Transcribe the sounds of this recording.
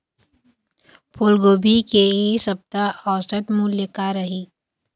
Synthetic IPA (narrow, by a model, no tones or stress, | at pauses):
pʰʊlɡoːbʱikeesɐb̚t̪aɔːsət̪muljəkaɾɐɦi